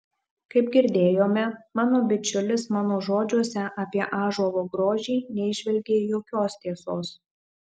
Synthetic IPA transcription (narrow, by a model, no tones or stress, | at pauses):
kɐɪpɡʲɪɾʲd̪ʲeːjoːmʲɛmɑːnoːbʲɪt͡ʃʲʊlʲɪsmɑːnoːʒoːd͡ʒʲuɔsʲɛʔɐpʲiɛʔɑːʒuɔʋoːɡɾoːʒʲɛːnʲɛɪʒʲʋʲɛlʲɡʲeːjoːkʲoːst̪ʲiɛsoːs